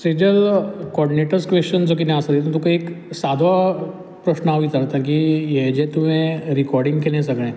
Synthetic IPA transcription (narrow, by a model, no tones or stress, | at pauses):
sed͡ʑəlkɔɾɖineʈəɾskʋest͡ɕənd͡zokinãəsəd̪et̪ət̪ukaeksad̪ʱʋə | pɾəɕnəaʋit̪əɾt̪ak̬ijed͡ʑet̪umẽɾikɔɾɖiŋɡkeljasəɡɭẽ